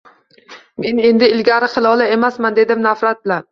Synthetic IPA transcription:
me̞ne̞nd̪ɪɪlɡʲaɾɪχɨlˠɒlˠae̞masmand̪e̞d̪ɪmnafɾat̪̚bɪlan

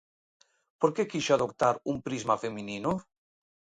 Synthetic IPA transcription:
poɾkekiʃoaðok̚t̪aɾumpɾizmafeminino

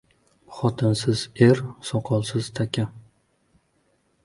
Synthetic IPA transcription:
χɒt̪ʰɪnsɪz̥eɾsɒqʰɒlˠsɪz̥t̪ʰakʲʰa

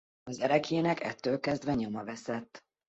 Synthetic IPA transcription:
ɒzɛɾɛkʰeːnɛkɛ̰t̪ːøːlkɛzd̪vɛɲo̞mɒvɛsɛt̪ː

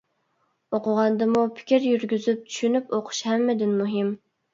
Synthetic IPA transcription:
oqʰʊʁɑnd̪ɨmupʰɪ̥kʲʰiɾjyɾɡʲyzyp̚t͡ʃ̪ʰy̥ʃynypoqʰʊ̥ʃhɛmːɪd̪ɪnmuɦɪm

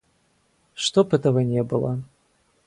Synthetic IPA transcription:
ʂt̪ɔpɨt̪ɐvɐnʲɛbɨlˠɐ

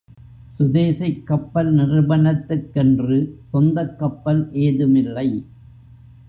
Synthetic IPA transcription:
sʊðeːsɪkːɐpːɐlnɪrɯbɐnɐt̪ːɯkːɛndrɯsɔnd̪ɐkːɐpːɐlʔeːðɯmɪlːɐɪ

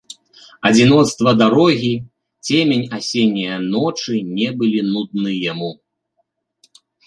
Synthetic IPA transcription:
ɐd͡zʲinɔt̪st̪vɐd̪aɾɔɣʲi | t͡sʲemʲenʲasʲenʲːijɐnɔt͡ʂɨnʲɛbɨlʲinud̪̚nɨjamu

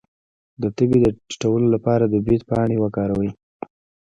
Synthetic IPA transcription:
d̪ət̪əbid̪əi̥ʈawəlolapɑɾad̪əbid̪pɑɳ̃ewakɑɾawə

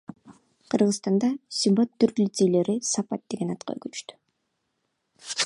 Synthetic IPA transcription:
qʰɯɾʁɯst̪ɑnd̪ɑsʲimbat̪ːyɾlʲit̪sejle̞ɾisɑpɑt̪̚d̪e̞ɡe̞nɑt̪̚qɑ̰kyt͡ʃt̪y̥

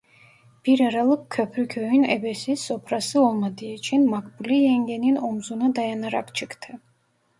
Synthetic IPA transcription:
b̥iɾɛɾalˠɨkkʰːœpʰɾikʰɛinɛ̰bɛsisɔpʰɾasiɔlˠmad̪iɛt͡ʃʰinmakʰʼbulijɛŋɡɛninɔmzunad̪ajanaɾa̰kʰt͡ʃʰikʰt̪ʰɛ

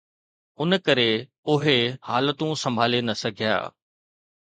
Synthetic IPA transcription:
ʊnkɐɾe | ʊɦehaːlət̪ũsɐ̃mbʱaːlenɐsɐɡʱja̰ː

